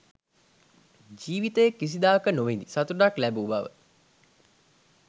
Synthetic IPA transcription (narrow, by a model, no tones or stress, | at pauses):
d͡ʒiːʋit̪əjekːis̬id̪aːəkənoʋend̪isat̪uɖaklæbuːbaʋə̰